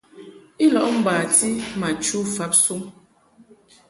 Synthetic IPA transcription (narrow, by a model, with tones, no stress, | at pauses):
i˦lɔ˨ʔm̩˦baː˨ti˦ma˨t͡ʃu˦fa˦p̚su˦ŋ